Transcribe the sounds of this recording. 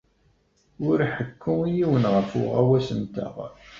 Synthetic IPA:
ʊɾħəkʰːʊijiwənʁəfʊ̰ʁæwæsənt̪æ̰ʁ

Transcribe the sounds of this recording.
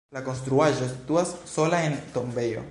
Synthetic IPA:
lako̞nst̪ɾuaʒo̞sit̪uasːo̞laent̪o̞mbe̞jo̞̰

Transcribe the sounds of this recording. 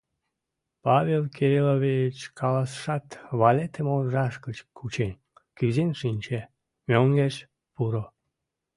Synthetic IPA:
pɑβelkʰeɾiloβijət͡ɕkʰɑlɑsə̥ʃɑt̪βɑlet̪əmolʒɑʃkət͡ɕkʰut͡ɕen | kyzenʃinʲt͡ɕe | mʲøŋɡeʃ | puɾo

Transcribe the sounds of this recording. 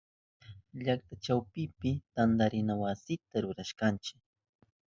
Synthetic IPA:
ʎak̚t̪at͡ʃawpɪpɪt̪and̪aɾɪnawasɪt̪aɾʊɾaʃkant͡ʃɪ̥k̚

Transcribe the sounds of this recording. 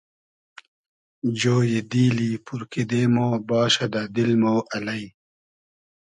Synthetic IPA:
d͡ʑoːjid̪iːliːpuɾkid̪eːmoːbaːɕɐd̪ɐd̪ilmoːʔɐlɐi

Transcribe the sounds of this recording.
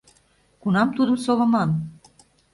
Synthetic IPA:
kunɑmt̪ud̪ə̆msoβɤ̆mɑn

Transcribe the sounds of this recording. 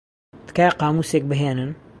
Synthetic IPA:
d̪kaːjqɑːmuːseːk̚bɨɦeːnɨn

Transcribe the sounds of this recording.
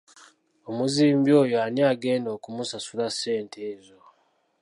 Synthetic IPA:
omuziːmbjo̞ːjoaniaɡe̞ːndo̞ːkumusasulase̞ːntʰeːzo

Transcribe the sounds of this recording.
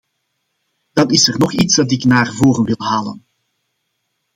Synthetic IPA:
d̥ɑnɪsərnɔχitsdɑt̬ɪknaːrvoːrənʋɪlˠɦaːlə̰n

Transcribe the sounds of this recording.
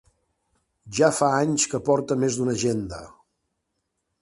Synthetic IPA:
ʒafaaɲskəpɔɾt̪əmezd̪unəʒend̪ə̰

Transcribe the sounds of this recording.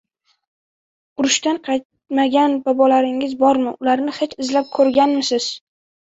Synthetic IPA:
ʊɾʊʃt̪anqʰɑjt̪̚ | maɡʲanbɒbɒlaɾɪŋɪzbɒɾmɪʔʊlaɾnɪhet͡ʃɪzlap̚kʰɵɾɡʲanmɪsɪz̥

